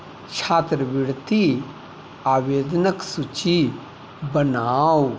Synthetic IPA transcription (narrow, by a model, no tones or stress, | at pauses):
t͡ʃʰaːt̪ɾəʋɪɽt̪i | aːʋeːd̪nəksut͡ʃi | bənaːw